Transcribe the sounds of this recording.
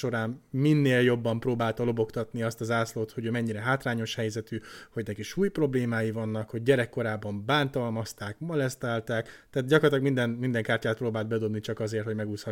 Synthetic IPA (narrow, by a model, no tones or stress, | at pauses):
o̞ɾaːmminːeːljo̞bːɒmproːbaːlt̪ɒlo̞bo̞kt̪ɒt̪niɒst̪ɒzaːsloːt̪ho̞ɟøːmɛɲːiɾɛɦaːt̪raːɲo̞ʃhɛjzɛt̪yːho̞ɟnɛkiʃuːjpro̞bleːmaːjivɒnːɒkho̞ɟ̚ːɛɾɛkːo̞ɾaːbɒmbaːnt̪ɒlmɒst̪aːkmɒlɛst̪aːlt̪aːkt̪aːt̪dɟɒkort̪lɒɡmind̪ɛnmind̪ɛŋkaːrcaːt̪̚proːbaːld̪̚bɛd̪o̞bnit͡ʃɒkɒzeːrt̪ho̞ɟmɛɡuːshɒ